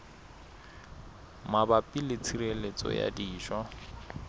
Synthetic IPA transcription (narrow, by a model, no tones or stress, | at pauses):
mabapʼilɪt͡sʰirelet͡sʼɔ̰ja̰diːʃwa